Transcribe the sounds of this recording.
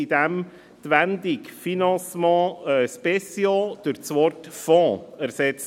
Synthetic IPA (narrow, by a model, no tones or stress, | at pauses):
id̥̪æm | t̪ʋænd̪ɪkfinɑ̃smɑ̃spɛsjod̥̪øɾt͡sʋɔɾtfɔ̃ːæɾsɛt͡s